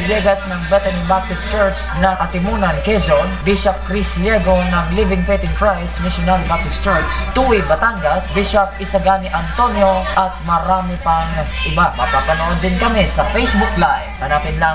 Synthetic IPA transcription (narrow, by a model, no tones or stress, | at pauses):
bɛɡɐsnɐŋbɛt̪ɛnibap̚t̪ɪst͡ʃɛɹksnɐŋʔɐt̪ɪmunɐnkɛsonbiʃɐp̚kɾisljɛɡonɐŋlivɪŋfɛt̪ɪŋfɹajsnaʃʊnaɾibap̚t̪ɪst͡ʃɛɹkst̪uwɪbɐt̪aŋɡɐsbiʃɐp̚ʔɪsɐɡanɪʔɐnt̪onjoʔɐt̪̚mɐɾaːmɪpɐŋʔɪbamɐpapɐnoʔod̪ːɪnkɐmɪsɐfɛjsbʊklajhɐnaːpɪnla